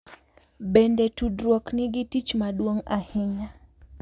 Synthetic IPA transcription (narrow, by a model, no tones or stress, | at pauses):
bɛndɛtudɾwɔkniɡitit͡ʃmaɗwoŋahɛɲa